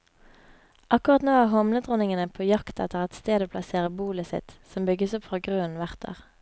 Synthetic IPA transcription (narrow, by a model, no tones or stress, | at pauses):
ʔɑkʊʁɑt̪noːæːhɔmnət̪ʁʊnɪŋənəpʰoːjɑkt̪ɛ̰t̪əʁɛt̪st̪eːd̪oːpʰlɑseːʁəbuːləsɪ̰t̪sɔmbʏɡəsɔpfʁɑːɡʁʉːənʋæʁt̪ʰə̰ʁ